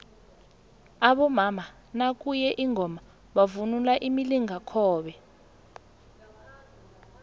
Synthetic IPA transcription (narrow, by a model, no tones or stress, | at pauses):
aɓɔmama | nak̬ʼujɛʔiŋʱɔma | ɓavunulaʔimiliŋakʰɔːɓɛ